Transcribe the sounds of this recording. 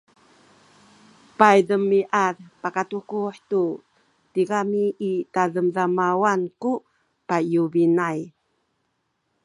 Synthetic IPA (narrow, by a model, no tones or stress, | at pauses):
pajdəmiʔarpakatukuħtu | tikamiʔitaðəmzamawanku | pajuvinaj